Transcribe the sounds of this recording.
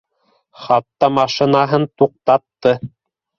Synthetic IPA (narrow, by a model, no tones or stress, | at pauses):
χɑt̪ːɑmɑʃĭnɑɦɤnt̪uq̚t̪ɑt̪ːɤ